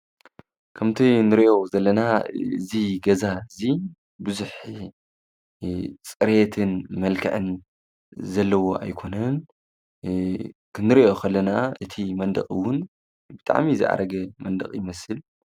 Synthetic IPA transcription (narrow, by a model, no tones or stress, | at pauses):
kʰɐmt̪ʰinɨɾiʔo̞zɐlːɐnaɨziɡɐzaɨzi | bɨzuħ | t͡sʼɨɾet̪ʰɨnmɐlkʰɨ̰ʕɨn | zɐlːɐwo̞ʔa̰jkʰo̞nɐn | kɨnɨɾiʔo̞kʰɐlːɐnaʔɨt̪ʰimɐnd̪ɐ̰χʼɨwʊn | bɨt̪ʼa̰ʕmizɨ̰ʕa̰ɾɐɡɐmɐnd̪ɐ̰χʼjɪmɐsɨl